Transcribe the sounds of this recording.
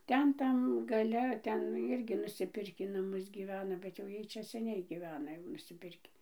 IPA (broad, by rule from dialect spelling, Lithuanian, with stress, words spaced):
ˈtʲɛn ˈtɐm ɡɐˈlʲɛ ˈtʲɛn ɪrʲˈɡʲɪ nʊsʲɪˈpʲɪrʲkʲiː nɐˈmʊs ɡʲiːˈʋʲæːnɐ bʲɛt jɛʊ ˈjiɛj ˈt͡ʃʲɛ sʲɛˈnʲɛɪ ɡʲiːˈʋʲæːnɐ jɛʊ nʊsʲɪˈpʲɪrʲkʲiː